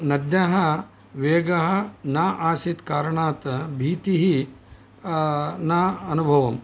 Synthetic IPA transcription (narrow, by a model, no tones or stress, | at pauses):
nɐd̪jɐɦɐ | ʋeːɡɐɦɐ̆naːʔaːsit̪kaːɾɐɳaːt̪ɐbʱiːt̪iɦi | naːɐnubʱɐʋɐm